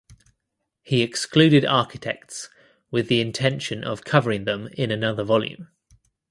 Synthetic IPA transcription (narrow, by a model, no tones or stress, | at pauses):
hiɛksklʉːɾɪdɑˑkɪ̥tʰɛk̚ts | wɪðiɪ̃ntʰɛ̃nʃə̃nʔə̰v̥kʰʌvəɹɪ̃ŋðə̃mɪ̃nənʌðəvɒljʉ̰̃m